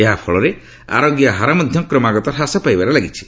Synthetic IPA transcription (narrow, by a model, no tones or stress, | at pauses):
eɦapʰɔɭɔɾe | a̰ɾɔɡjaɦaɾamɔd̪ʱjɔkɾɔmaɡɔt̪ɔɾɦasapajbaɾelaɡit͡ʃʰi̥